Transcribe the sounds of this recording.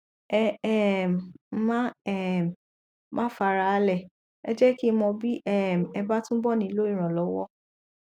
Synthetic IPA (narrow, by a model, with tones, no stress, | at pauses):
ɛ˦ɛ˦˨m̩˨˦mã˦ɛ˦˨m˨ | mʔã˦fa˧ɾa˧˨˦lɛ˦˨ | ɛ˦d͡ʒɛ˦ki˦mɔ̃˧bi˦ʔɛ˦˨m̩˨ɛ˧ba˦tũ˦bɔ˦˨nĩ˧i˧lo˦ĩ˦˨ɾ̃ã˨lɔ˨˦wɔ˦